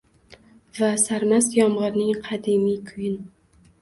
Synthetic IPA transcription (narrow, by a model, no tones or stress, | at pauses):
vasaɾmasjɒmʁɨɾnɪŋqʰɑd̪ɪmijkʰʊjɪn